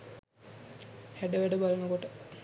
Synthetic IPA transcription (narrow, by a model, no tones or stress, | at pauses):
hæɖəʋæɖəbalɐnəkoʈə